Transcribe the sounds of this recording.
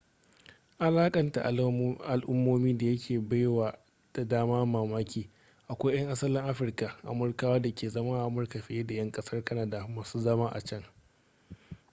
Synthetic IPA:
ʔa˨laː˦kʼɐ˨nta̰˨ʔʔa˨lʔʊ˦mːoː˦miː˦da˨jɐ˦kʲʰeː˨ba˦jwaː˨ | d̥a˨daː˦maː˦maː˨maː˦kʲiː˨ | ʔa˨kʷa˦jjɐ˦ŋʔa˦sɐ˦lɪ˦ŋʔa˦ɸɪ˨rka˨ʔa̰˨mʊ˦rkaː˦waː˦da˨kʲeː˨zɐ˦ma˦ʔa˨ʔa˨mʊ˨rka˨ɸɪ˨je˦da˨jɐ˦ŋkʼɐ˦sɐ˦rkɐ˦na˦da˨maː˨suː˦zɐ˦maː˦ʔa̰˨t͡ʃɐ˦ŋ

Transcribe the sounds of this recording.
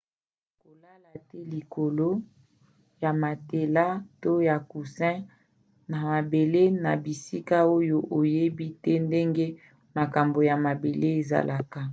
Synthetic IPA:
ko˨la˦la˨tɛ˦li˨ko˨lo˦ | ja˨ma˨te˨la˦to˦ja˨ku˨sɛ̃˦ | na˨ma˨be˨le˦na˨bi˨si˦ka˦o˦jo˦ʔo˨je˦bi˦tɛ˦nde˦ŋɡe˦ | ma˨ka˨mbo˨ja˨ma˨be˨le˦e˨za̰˨lʔa˨ka˨

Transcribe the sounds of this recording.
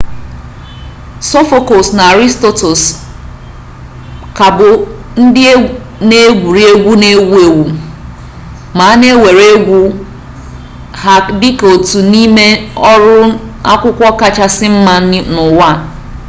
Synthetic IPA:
so˦fo˦ko˨sna˨a˨ɾi˦sto˦to˨s | ka˨bʊ˨ | n̩˦dɪ˦ | ne˦ɡʷu˨ɾi˦e˦ɡʷu˦ne˦ɡʷu˦e˨ɡu˨ | ma˨˦ne˦we˨ɾe˦ɡʷu˦ | ha˨kdɪ˦ko˨tu˨ni˦me˦ɔ˦ɾʊ˦a˦kʷʊ˦kʷɔ˦ka˦t͡ʃa˦sɪ˦m̩˦ma˦nʊ˨wa˦˨

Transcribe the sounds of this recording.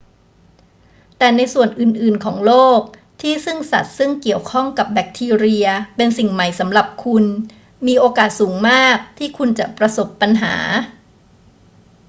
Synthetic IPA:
t̪ɛː˨˩na˧jsu˨˩ənʔɯː˨˩nʔɯː˨˩nkʰɔː˩˦ŋloː˥˩k̚ | t̪ʰiː˥˩sɯ˥˩ŋsa̰˨˩t̪̚sɯ˥˩ŋki˨˩əwkʰɔ˥˩ŋka˨˩p̚bɛ˨˩k̚t̪ʰiː˧ɾi˧ɐpe˧nsi˨˩ŋma˨˩jsa˩˦mɾa˨˩p̚kʰu˧n | miː˧ʔoː˧kaː˨˩t̪̚suː˩˦ŋmaː˥˩k̚t̪ʰiː˥˩kʰu˧nt͡ɕa˨˩ʔpɾa˧so˨˩pːa˧nɦa̰ː˩˦

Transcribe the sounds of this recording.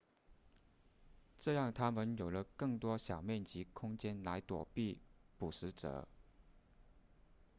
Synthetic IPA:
ʈ͡ʂɤ˥˧jɑ˥˩ŋt̪ʰa˥mə˨njo˨˩ʊlə˦kɤ˥˩ŋt̪wɔ˥ɕjɑ˨˩ʊmjɛ˥˩nt͡ɕi˧˥kʰʊ˥ŋt͡ɕjɛ˥nla˧˥ɪt̪wɔ̰˨˩pi˥˩pu˨˩ʂɻ̩˧˥ʈ͡ʂɤ̰˨˩˦

